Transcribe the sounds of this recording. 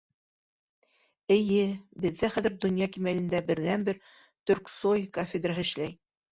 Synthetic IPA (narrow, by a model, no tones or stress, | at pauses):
ɘ̆jɘbɘ̆ðːæχæðɘ̆ɾd̪ŏnjɑkimælɘ̆nd̪æbɘ̆ɾðænbɘɾ | t̪ɵ̆ɾksojkofʲed̪raɦɤɘ̆ʃlæj